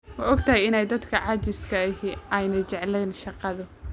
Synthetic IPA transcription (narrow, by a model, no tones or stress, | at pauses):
wɑɔɡt̪ʰɐɦɛjɪnɛjd̪ɐd̪kʰɐʕɑːt͡ʃɪskʰɐhiʔɛjnɐt͡ʃɛʕlɛːnʃɑqɑðʊ